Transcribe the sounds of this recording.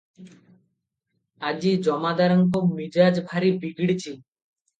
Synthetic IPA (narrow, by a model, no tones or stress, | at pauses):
ad͡ʑid͡ʒɔmad̪aɾɔŋkomid͡ʒad͡ʒbʱaɾibiɡɽit͡ɕʰi